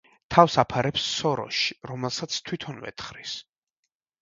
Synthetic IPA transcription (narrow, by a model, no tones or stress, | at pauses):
t̪ʰavsapʰaɾɛpsːɔɾɔ̰ʃi̥ɾɔmɛlˠsat̪sʰt̪ʰwit̪ʰɔnvɛ̰t̪χɾis